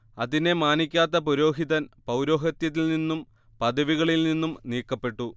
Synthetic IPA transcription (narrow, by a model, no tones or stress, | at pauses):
ɐðine̞maːnikʲːaːt̪ːɐpoɾo̞ːɦiðɐnpɐwɾo̞ːɦɐt̪jɐt̪̬ːilninːum | pɐd̪ɐʋiɣɐɭilninːumniːkːɐpːe̞ʈːu